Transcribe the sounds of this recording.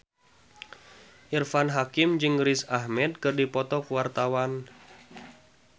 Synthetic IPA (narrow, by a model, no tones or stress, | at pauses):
ʔirfanɦakɪmd͡ʒɨŋɾisahmɛt̪̚kɨrdipɔt̪ɔkuwart̪awan